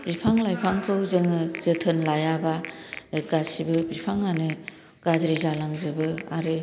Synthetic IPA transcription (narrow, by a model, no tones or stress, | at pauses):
bipʰaŋlajpʰaŋkʰɯwzɯŋɯz̥ɯtʰɯnlajabaɾɯkasibɯbipʰaŋanɯ | ɡ̥azɾizalaŋzɯbɯaɾɯ